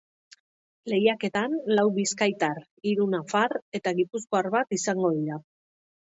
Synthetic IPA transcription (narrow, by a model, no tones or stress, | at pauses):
le̞jake̞t̪anlawβiskajt̪ar | iɾunafaɾe̞t̪aɣipusko̞aɾβat̪isaŋɡo̞ðiɾa